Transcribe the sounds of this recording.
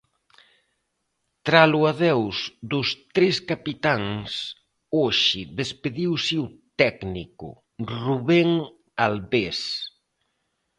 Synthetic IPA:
t̪ɾaluaðɛwzd̪ʊst̪ɾeskapit̪aŋs | oʃɪðespeðiwsɪʊt̪ɛknikʊ̰ | ruβeŋ | alβes

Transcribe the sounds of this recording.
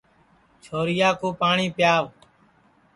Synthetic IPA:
t͡ʃʰoːɾɪjaːkoːpaːɳiːpjaːʋ

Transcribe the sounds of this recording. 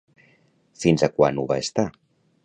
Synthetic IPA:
finzakwa̰nuβaest̪a

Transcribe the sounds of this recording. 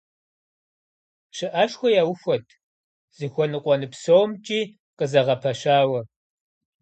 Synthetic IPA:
ɕɪʔɐʂxʷɔjaːwʊxʷɔtʰ | z̥ɨxʷɔnɨqʷʼɔnɨpsowmt͡ʃʼiː | qəzɐʁɐpʰɐɕaːwɐ

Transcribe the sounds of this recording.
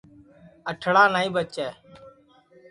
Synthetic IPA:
əʈʰɽaːnaːĩːbət͡ʃɛː

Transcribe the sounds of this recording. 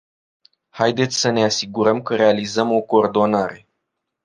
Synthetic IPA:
hajd̪e̞t̪sʲsəne̞asiɡuɾəmkəɾe̞alizəmo̞ko̞ːrd̪o̞naɾe̞

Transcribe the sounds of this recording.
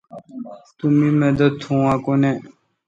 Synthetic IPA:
t̪umĩːmed̪ət̪hũːãːkone

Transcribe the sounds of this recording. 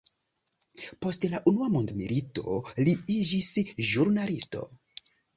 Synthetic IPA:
po̞stlaʔunuamondmḭlito̞̰liid͡ʒisʒuɾnalisto̞̰

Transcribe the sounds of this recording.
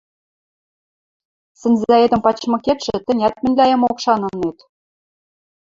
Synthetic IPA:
sɘ̆nʲzæed̪ɘ̆mpɑt͡ɕmɤ̆kʲet̪ʃɘ̆t̪ɘ̆nʲæt̪mɘ̆nʲlʲæjɤ̆mokʃɑnɤ̆net̪

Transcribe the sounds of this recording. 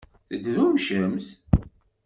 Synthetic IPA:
θəd̪ðumʃəmθ

